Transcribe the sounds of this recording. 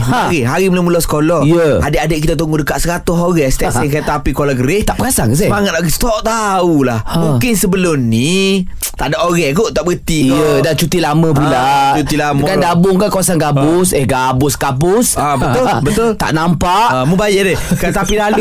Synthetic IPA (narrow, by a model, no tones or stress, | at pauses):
ɣiɦaɾiməlomulɔsə̥kolɔijəadeʔadəʔk̬it̪at̪̬uŋɡudəkaʔsəɾat̪ʊɦoɣɛst̪ɛʔsɛŋk̬ajaʔt̪apikolaɡəɾɪt̪aʔpəkasakəsamaŋat̪̚aɡist̪ɔʔt̪aulahmũkɪnsəbəlʊmni | t̪aʔdaʔoɣɛkoʔt̪aʔbəɡət̪iədat͡ʃut̪ilamə̃p̬ulat͡ʃut̪ilamkandabʊŋkankawasanɡabʊsɛhɡabʊskabʊsabət̪ʊlbət̪ʊlt̪a̰ʔnampaʔamubajadɛkat̪apialu